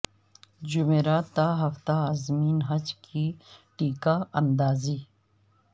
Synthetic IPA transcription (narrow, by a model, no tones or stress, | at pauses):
d͡ʒʊmeːɾaːt̪ːaɦɐft̪aaːzmiːnɦɐd͡ʒkʰiʈiːkaɐnd̪aːziː